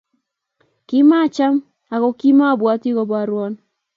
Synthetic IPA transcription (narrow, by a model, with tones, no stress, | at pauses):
ki˦ma˦˨t͡ʃa˦m | a˨kɔ˨ki˦ma˦˨bwa˨˦ti˦kɔ˨ba˨ɾwɔ˦n